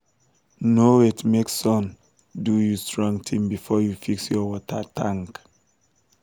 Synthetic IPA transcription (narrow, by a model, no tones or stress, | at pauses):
noitmeksɔ̃n | dujustɹɔ̃ŋtʰĩmbifɔjufiksjɔwɔtʰətʰãŋk